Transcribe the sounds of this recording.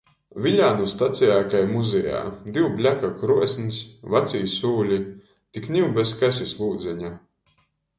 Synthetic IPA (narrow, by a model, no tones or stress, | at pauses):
vilʲaːnust̪at̪sijaːkajmuzɛja̰ːd̪iwblʲakakɾuɔsʲnisvat̪sijsuːlʲi | t̪iknʲiwbɛs̬kasʲislˠuːd̪zɛɲa